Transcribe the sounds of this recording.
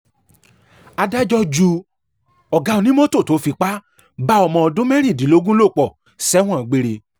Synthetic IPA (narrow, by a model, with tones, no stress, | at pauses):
a˧da˦d͡ʒɔ˧d͡ʒu˧ | ɔ˨ɡa˨˧˦o˧nĩ˦mɔ̃˦to˦˨to˨˦fi˧k͡pa˦ | ba˦ɔ˧mɔ̃˧ɔ˧dũ˦mɛ˦ɾ̃ĩ˦˨dĩ˨lo˨˦ɡũ˦lo˦˨k͡pɔ˨ | sɛ˦w̃ɔ̃˦˨ɡ͡be˧ɾe˧